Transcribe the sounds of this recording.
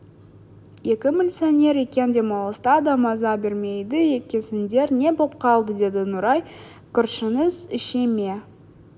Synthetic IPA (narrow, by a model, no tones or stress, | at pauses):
je̞kʲɪmʲɪlʲsionʲe̞ɾe̞kʲe̞nd̪e̞mɑlˠəst̪ɑd̪ɑmɑzɑbeɾme̞jd̪ɪe̞kʲesɪnd̪e̞ɾne̞bo̞p̚qʰɑlˠd̪əd̪e̞d̪ɪnʊɾɑj | kʲʰʏɾʃɪnəzɪʃeme̞